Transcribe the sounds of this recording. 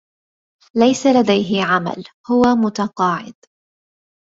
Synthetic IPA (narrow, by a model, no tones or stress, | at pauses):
lajsalad̪ajɦɪʕama̰lhʊwamʊt̪ɑqɑːʕɪ̰d̪